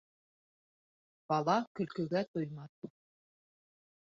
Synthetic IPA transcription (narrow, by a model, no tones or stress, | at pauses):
b̥ɑlˠɑkɵ̆lkɵ̆ɡæt̪ojmɑθ